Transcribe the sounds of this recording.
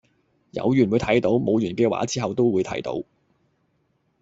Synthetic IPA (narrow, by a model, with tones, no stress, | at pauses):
jɐ̰˨˧wjyː˨˩nwuː˨˧jt̪ʰɐ˨˥jt̪o˨˥wmo˨˧wjyː˨˩nkɛː˧wa̰ː˨˥t͡siː˥ɦɐ˨wt̪o˥wwu˨˧jt̪ʰɐ̰˨˥jt̪o̰˨˥w